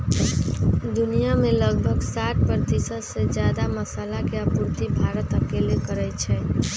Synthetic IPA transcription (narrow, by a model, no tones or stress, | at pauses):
d̪unijameləɡbʱəɡsaʈ̚ʰpəɾət̪isəd̪sed͡ʒjad̪aməsalakeapuɾt̪ibʱaɾət̪əkelekəɾɛjt͡ʃʰɛ